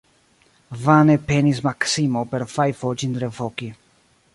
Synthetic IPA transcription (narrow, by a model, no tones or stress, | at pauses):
vanepenismaksimopeɾfajfot͡ʃind̪ɾevoki